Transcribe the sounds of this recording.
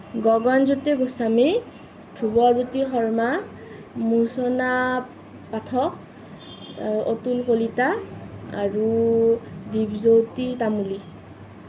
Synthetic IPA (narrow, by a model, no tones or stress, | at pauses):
ɡɔɡɔnzoteɡusami | d̥ʰʱɹubɔzutixɔɹma | muɹsɔna | patʰɔk̚ | otulkolitaa̰ɹu | dibzowtitamuli